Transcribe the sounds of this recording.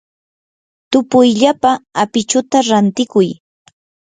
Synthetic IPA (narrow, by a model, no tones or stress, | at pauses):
t̪ʊpʊjʎapaːpɪt͡ʃʊt̪aɾant̪ɪkʊj